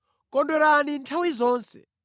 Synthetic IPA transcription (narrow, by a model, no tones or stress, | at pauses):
kʼɔndɔɾanintʰawizɔːnsɛ̰